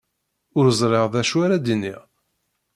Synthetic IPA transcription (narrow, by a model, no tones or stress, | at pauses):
ʊɾəzˤɾˤeʁðæʃwaɾæd̪inːiʁ